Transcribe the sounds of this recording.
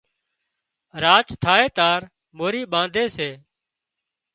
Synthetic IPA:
ɾaːt͡ʃt̪ʰaːeːt̪aːɾ | moːɾiːɓãːnd̪ʱeːseː

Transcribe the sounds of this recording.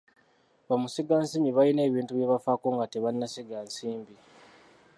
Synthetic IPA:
βamuseɡaːnsimiβajine̞ːβiːntuβjeβafakoːŋɡateβanːaseɡaːnsiːmbi

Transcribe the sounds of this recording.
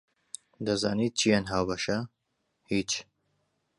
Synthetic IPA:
d̪ɐza̰ːniːt̪̚t͡ʃʰijaːnɦaːwbɐʃɐ | hiːt͡ʃ

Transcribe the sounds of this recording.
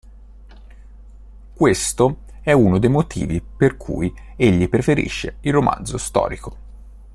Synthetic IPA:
kwest̪o | ɛunod̪ejmot̪ʰḭːviperkʰṵːj | eʎːipɾefeɾḭʃːḛilromʔa̰nd̪zost̪ɔ̰ːɾiko̥

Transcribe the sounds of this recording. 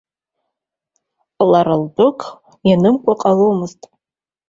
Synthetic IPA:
laɾaldʊkʼʰ | janɨmkʷʼaqʼalomɨztʼ

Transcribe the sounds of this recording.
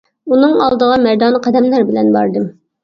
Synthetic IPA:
unɨŋɑlˠd̪əʁɑmɛɾd̪ɑnqʰæd̪ɛmlæɾbɪlɛnbɑɾd̪ɨm

